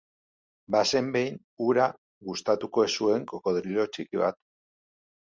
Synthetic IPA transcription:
base̞mbe̞jn | uɾa | ɣust̪at̪uko̞esue̞ŋkoko̞ðɾilio̞t͡ʃikiβa̰t̪

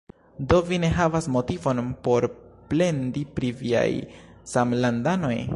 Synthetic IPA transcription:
do̞vine̞ɦavasmo̞tivo̞npo̞ɾple̞ndipɾivia̰jsamlandano̞j

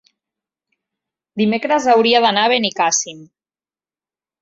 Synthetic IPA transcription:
d̪imekɾəzawɾiaðanaβ̞enikasim

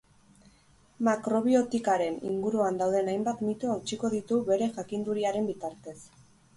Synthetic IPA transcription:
makɾo̞βio̞t̪ikaɾe̞nḭŋɡuɾuand̪awðe̞najmbat̪mit̪uawt͡ʃiko̞ðit̪uβe̞ɾe̞ʝakind̪uɾiaɾe̞mbit̪aɾt̪e̞s

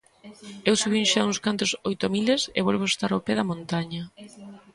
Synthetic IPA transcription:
ewsuβiŋʃauŋskant̪ʊsojt̪omilesḛβolβoest̪aɾopeðɐmõnt̪aɲɐ

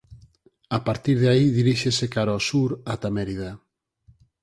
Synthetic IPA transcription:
apaɾt̪iɾðeaiðiɾiʃesekaɾɔsuɾat̪ameɾiða

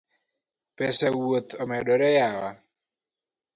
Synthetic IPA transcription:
pɛsɛwot̪ɔmɛɗɔɾɛjawa

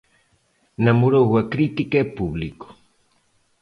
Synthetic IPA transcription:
namuɾoɣakɾit̪ikapuβliko̥

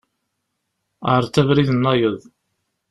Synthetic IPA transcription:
əɾˤt̪ævɾiðənːɑjəðˤ

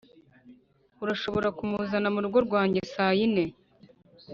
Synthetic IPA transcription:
uɾaʃo̞βo̞ɾakumuzanamuɾuɡo̞ɾɡwaːɲɟesaːjine̞

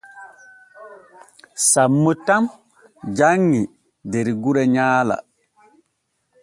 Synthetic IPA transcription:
samːutam | d͡ʒaŋːi | deɾiɡuɾɛɲaːla̰

